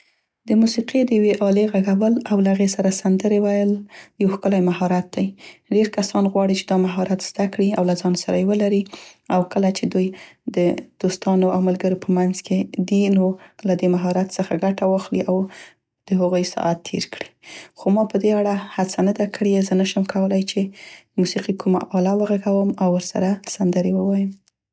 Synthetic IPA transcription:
d̪əmusiqid̪əjaweʔɑleɣaɡawəlawlaɣesaɾasand̪əɾewajəljawxkəlajmaɦɑɾat̪̚d̪ajɖeɾkasɑnɣwɑɽit͡ʃed̪ɑmaɦɑɾat̪z̥d̪akɽiawlazɑnsaɾajwəlaɾiawkəlat͡ʃed̪ujd̪əd̪̥ost̪ɑnoawmalɡəɾopəmanzked̪inolad̪emaɦɑɾat̪səxaɡaʈawɑxliʔaw | d̪̥əɦaɣojsɑ̰ʔat̪ːʰḛɾkɽi̥xomɑpəd̪eaɽahat͡sanad̪akʰəɽezənaʃəmkʰawəlajt͡ʃemusiqikuma̰ʔɑlawəɣaɡawəmawːəɾsa̰ɾasand̪əɾewəwɑjəm

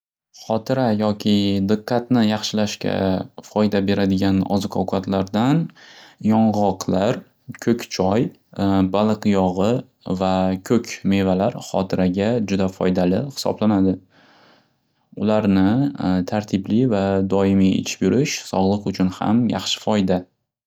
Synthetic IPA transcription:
χɒt̪ʰɪɾajɒkʲʰɪd̪ɨqʰːɑt̪nɪjɑχʃɪlaʃkʲa̰fɒjd̪abe̞ɾad̪ɪɡʲanɒ̰zɨqʰɒwkʰat̪laɾd̪anjɒɴʁɒqʰlaɾ | kʲʰɵkʲt͡ʃʰɒj | balˠɨqjɒʁɨ | vakʲʰɵkʲʰme̞valaɾχɒ̰t̪ʰɪɾaɡʲad͡ʒʊd̪afɒ̰jd̪alɪhɪ̥sɒ̰blanad̪ɪ | ʊlaɾnɪt̪ʰaɾt̪ʰɪblivad̪ɒɪmiɪ̰t͡ʃʰbʊɾʔɪʃsɒʁlˠɨqʊt͡ʃʰʊnha̰mjɑ̰χʃɪ̥fɒjd̪a

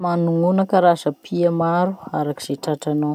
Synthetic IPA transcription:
manuŋunakaɾazapʰiamaɾuaɾaki̥z̥eʈ͡ʂaʈ͡ʂanaw

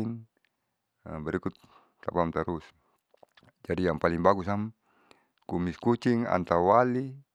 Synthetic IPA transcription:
n | əbəɾikut̪ː | apamt̪əɾus | d͡ʒadijaŋpaliŋbaɡusam | kumiskut͡ʃiŋa̰nt̪auwali

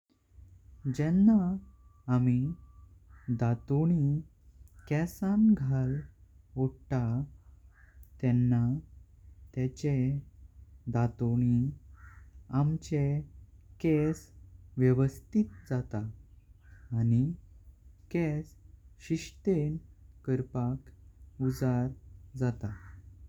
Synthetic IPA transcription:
d͡ʑɛnːa | ami | d̪at̪oɽi | kɛsanɡʱal | oɽʈa | t̪ɛnːa | t̪jat͡ɕe | d̪at̪oɽ̃i | amt͡ɕekɛsʋjəʋəst̪it̪̚d͡zat̪aː | ni | kɛsɕiɕʈ̪enkəɾpakud͡zaɾd͡zat̪a

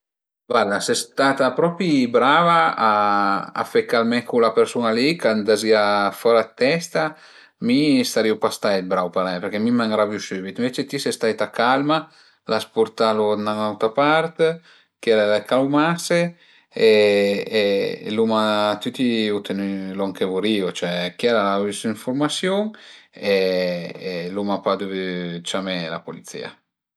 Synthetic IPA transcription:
vaɾd̪asest̪at̪apɾɔpibɾaːvaːa̰fekːalmɛkulapeɾsunalikand̪aziafɔɾat̪ːɛst̪a | mist̪aɾiupast̪aebɾawpaɾɛjpeɾk̟ɛmimaŋɡɾavjusybit̪ĩɱvet͡ʃet̪isɛst̪ajt̪akalma | laspuɾt̪alonanawt̪apart̪ | kiɛɾalekalwmase | e | lumat̪yt̪iut̪enyloaŋkevuɾiːot͡ʃoɛkiɛɾalavisiɱfoɾmasjoŋe | lumapad̪uvt͡ʃamɛla̰polit̪sḭːa̰

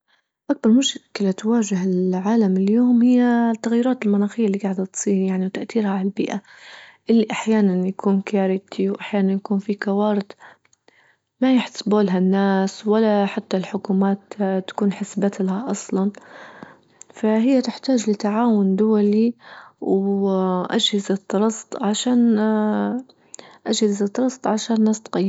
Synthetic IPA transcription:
ʔak̚bɑɾˤmʊʃkɪlat̪waːʒɪɦɪlʕaːlamɪljoːmhɪjːat̪ːaɣjːɾɑːt̪ɪlmanaːxijːaɪlːiɡaʕd̪at̪sˤiːɾjaʕniwt̪aʔt̪iːɾhaʕalalbiːʔaʔɪlːiʔaħjaːnanjakʰuːnkaːɾɪt̪ʰiwʔaħjaːnanjakuːnfikawɑːɾɪd̪ | majɪħt̪ḁsboːlɦanːaːswalːaħat̪ːalħʊkuːmaːt̪t̪ḁkuːnħɪsbat̪lahaʔɑsˤlɑn | faɦɪjːat̪ɪħt̪aːd͡ʒlɪt̪aʕaːwʊnd̪ʊwaliw | ʔad͡ʒhɪzɪt̪ːɾˤɑst̪ˤʕaʃaːn | ʔad͡ʒhɪzɨt̪ːɾˤɑst̪ˤʕaʃaːnnːaːst̪qajːɪ

